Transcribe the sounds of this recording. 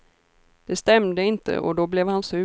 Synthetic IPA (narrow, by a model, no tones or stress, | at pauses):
d̪̥ɛst̪ɛmd̪əɪnt̪ə̰ʔɔ̰d̪ɔblɛvhansʉ